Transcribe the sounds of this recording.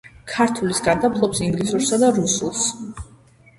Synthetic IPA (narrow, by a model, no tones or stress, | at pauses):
kʰaɾt̪ʰulisɡad̪apʰlˠɔpsiŋɡlisuɾsad̪aɾusulˠs